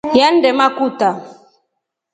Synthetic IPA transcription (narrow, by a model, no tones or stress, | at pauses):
jandɛmakuta